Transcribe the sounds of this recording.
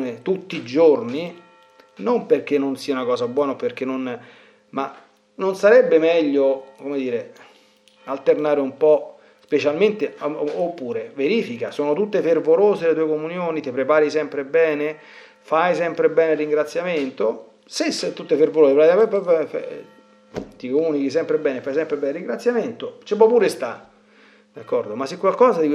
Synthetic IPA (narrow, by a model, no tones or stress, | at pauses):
net̪ut̪ːid͡ʒorni | nomperk̟enːonsiːaunakɔːsabwɔːnaopːerk̟enːon | ma | nonsaɾɛbːemɛʎːokomed̪iːɾe | alt̪ernaːɾeumpɔ | spet͡ʃalment̪eopːuːɾeveɾiːfikasoːnot̪ut̪ːefervoloːzelet̪uːekomunjoːnit̪epɾepaːɾisɛmpɾebɛːne | fajsɛmpɾebɛːneriŋɡɾat̪sːjament̪o | seset̪ut̪ːefervoloːsepɾajapɛpf | t̪ikomuːnik̟is̬ɛmpɾebɛːnefːajsɛmpɾebɛːneriŋɡɾat̪sːjament̪ot͡ʃepɔpːuːɾest̪a | d̪akːɔrd̪omasːekwalkɔːzad̪i